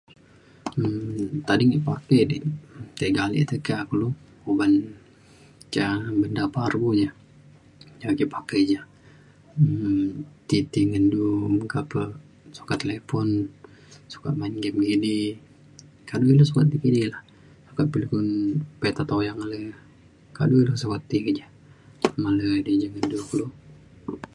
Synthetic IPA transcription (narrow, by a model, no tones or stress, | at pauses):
əmt̪adiŋiʔpakedit̪eɡalḭʔt̪əkakulu | kuban | t͡ʃabəndaparbud͡ʒa | d͡ʒaɡiʔpakəjd͡ʒa | ət̪it̪iŋənduməkapə | su̥kat̪ːelepɔn | su̥ka̰t̪̚mainɡɛmɡini | kaduilasukat̪̚d̪ikinilah | su̥kaʔ̪̚pilikunpet̪at̪awjaŋalə | ka̰duilasukat̪ːikəd͡ʒa | ŋalədid͡ʒaŋənduklu